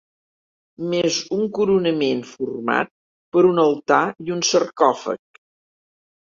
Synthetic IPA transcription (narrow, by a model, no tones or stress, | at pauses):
mezuŋkuɾunəmenfurma̰t̪̚ | pəɾunəlˠt̪aiunsərkɔfə̰k̚